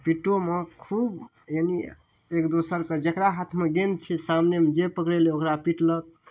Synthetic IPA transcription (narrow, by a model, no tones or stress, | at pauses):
piʈomekʰub | jani | ekd̪osəɾkəd͡ʒəkɾaɦat̪ʰmeɡend̪t͡ʃʰɛsamnemed͡ʒepəkɾeleokɾapiʈlək̚